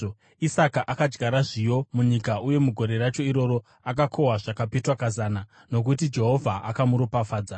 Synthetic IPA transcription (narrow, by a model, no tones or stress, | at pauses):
isakaʔakad͡ʒɡaɾaʐijo̞muɲikaʔuje̞muɡʱo̞ɾe̞ɾat͡ʃo̞iɾo̞ɾo | akakʰo̞waʐakapetwakazaːna | no̞k̬ut̬id͡ʒe̞ɦo̞vʱaʔakamuɾopafaːd͡za